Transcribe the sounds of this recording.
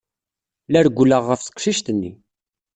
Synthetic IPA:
læɾɡʷːləʁːəfsə̥qʃiʃt̪ənːḭ

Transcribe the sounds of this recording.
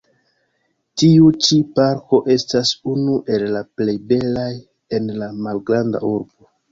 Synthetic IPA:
tiut͡ʃipaɾko̞ʔe̞stasunuʔe̞lːaplejbe̞laj | e̞nlamalɡɾanda̰uɾbo̞

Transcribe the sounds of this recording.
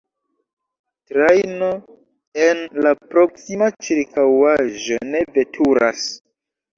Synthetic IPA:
tɾajno | enlapɾoksimat͡ʃiɾkawaʒo̞nevetʰuɾa̰s

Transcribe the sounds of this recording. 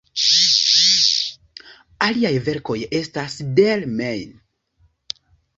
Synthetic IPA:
aliajve̞ɾko̞je̞stasdelmejn

